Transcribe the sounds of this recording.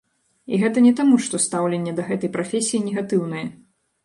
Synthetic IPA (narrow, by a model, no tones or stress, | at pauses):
ḭɣɛt̪ɐnʲɛt̪amuʂt̪ɔst̪awlʲenʲːɛd̪ɐɣɛt̪ɐjpɾafʲesʲijinʲɛɣat̪ɨwnɨjɛ